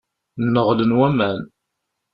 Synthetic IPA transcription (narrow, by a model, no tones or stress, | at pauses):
nːəʁlənwæmæn